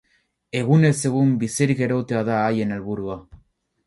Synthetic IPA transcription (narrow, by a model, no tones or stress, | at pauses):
e̞ɣ̞une̞se̞ɣumbisiɾike̞ɾowt̪eaðaːje̞ne̞lβuɾua